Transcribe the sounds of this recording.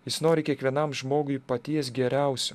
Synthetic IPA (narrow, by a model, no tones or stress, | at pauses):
jɪsnoːɾʲɪkʲiɛkʋʲiɛnɐmʒmoːɡʊɪpɐt̪ʲiɛsɡʲɛɾʲɛˑʊsʲʊ